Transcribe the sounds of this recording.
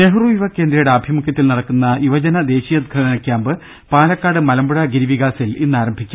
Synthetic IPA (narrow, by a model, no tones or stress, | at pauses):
neɦuruːjuʋɐkːe̞ːnd̪ɾɐjuɽeɐbʱjiɐmukjɐt̪ːilnɐɽɐkːunːɐjuʋɐd͡ʑɐnɐd̪e̞ːɕijɐd̪̚ɡʰʱɐɽɳɐnɐkʲːjaːmbɨ | paːlɐkːaːɽɨmɐlɐmbuɽɐɡiɾiʋiɣaːsilinːaːɾɐmbʱikʲːam